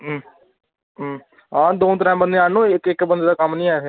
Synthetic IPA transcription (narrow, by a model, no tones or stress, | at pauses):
ɦ | ɦãːd̪oːt̪̬əɾãːbənd̪eːaːnõːɪkɪkbənd̪eːd̪aːkəmnĩːaːt̪ʰe